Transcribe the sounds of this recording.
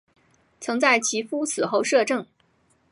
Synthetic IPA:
t͡sʰɤ˧˥ŋt͡sa˥˩ɪt͡ɕʰi˧˥fu˥t͡sʰɹ̩˨˩xo˥˧ʊʂɤ˥˧ʈ͡ʂɤ˥˩ŋ

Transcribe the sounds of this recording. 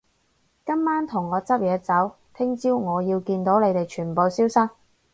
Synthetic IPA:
kɐ˥mːaː˥nt̪ʰʊ˨˩ŋːɔː˨˧t͡sɐ˥p̚jɛː˨˧t͡sɐ˨˥w | t̪ʰɪ˥ŋt͡siː˥wŋɔː˨˧jiː˧wkiː˧nt̪o˨˥wle˨˧jt̪e˨jt͡ʃʰyː˨˩npo˨wsiː˥wsɐ˥k̚

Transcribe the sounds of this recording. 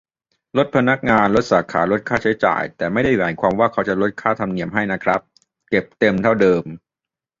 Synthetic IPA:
lo˦˥t̪̚pʰa˧na˦˥k̚ŋaː˧nlo˦˥t̪̚saː˩˦kʰaː˩˦lo˦˥t̪̚kʰaː˥˩t͡ɕʰa˦˥jt͡ɕa̰ː˨˩jt̪ɛː˨˩ma˥˩jda˥˩jwɛː˩˦jkʰaː˧mwaː˥˩kʰa˦˥wt͡ɕa˨˩ɾo˦˥t̪̚kʰaː˥˩t̪ʰa˧mni˧˩əmɦa˥˩jna˦˥kʰɾa˦˥p̚ | ke˨˩p̚t̪e˧mt̪ʰa˥˩wdɤː˧m

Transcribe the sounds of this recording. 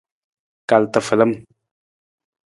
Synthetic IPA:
ka˨lt̪ə˨fə˨lə˦m

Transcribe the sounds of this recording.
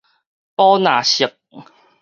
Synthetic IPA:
pɔ˦nã˨˩ɕi˨˩k̚

